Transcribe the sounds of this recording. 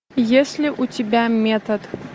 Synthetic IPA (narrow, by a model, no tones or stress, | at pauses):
jesʲlʲiʔut͡sʲibʲamʲɛt̪ɐt̪